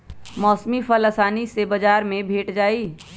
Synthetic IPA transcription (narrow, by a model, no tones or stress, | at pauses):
mɔːsmifɐlɐsaːnisebɐd͡ʒaːɾmẽbʱeːʈd͡ʒaːiː